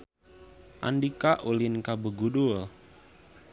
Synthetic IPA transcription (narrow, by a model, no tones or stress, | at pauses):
ʔa̰ndikaʔulinkabəɡudul